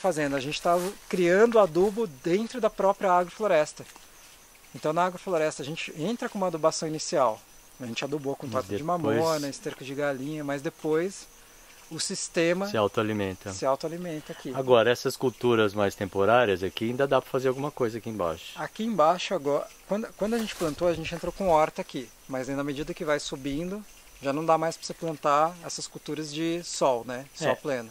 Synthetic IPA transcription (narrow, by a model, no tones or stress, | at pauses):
fazẽnd̪ʊɐʒẽnt͡ʃɪ̥t̪avkɾiɐ̃nd̪ʊad̪ubʊd̪ẽnt̪ɾʊd̪ɐpɾɔpɾiɐaɡwɾɐfloɾɛst̪ɐ | ẽnt̪ɐ̃w̃nɐaɡɾɐfloɾɛst̪ɐːʒẽnt͡ʃɪẽnt̪ɾɐkõũmɐad̪ubasɐ̃w̃inisiaw | ɐʒẽnt͡ʃɪad̪ubokõnt̪at̪ʊded͡ʒɪmapmõnɐest̪eɾkʊd͡ʒɪɡalĩɲɐmɐzd̪epojs | ʊsist̪ẽmɐsɪawt̪ʊalimẽnt̪ɐsɪawt̪ʊalimẽnt̪ɐakiaɡɔɾɐɛsɐskuwt̪uɾɐzmajst̪ẽmpoɾaɾiɐzakiaĩnd̪ɐd̪apɾɐfazeɾawɡũmɐkojzɐakiẽba̰ʃʊ̥akiẽbaʃʊaɡɔɾɐkwɐ̃nd̪ʊkwɐ̃nd̪ʊɐʒẽnt͡ʃɪ̥plɐ̃nt̪oɐʒẽnt͡ʃɪẽnt̪ɾowkõɔɾt̪ɐaki | mɐzẽnd̪ɐmed͡ʒid̪ɐkɪvajsubĩnd̪ʊ | ʒanɐ̃w̃d̪amajspɾɐsɪplɐ̃nt̪aɛsɐskut̪uɾɐzd͡ʒɪsɔwnɛsɔplẽnɐ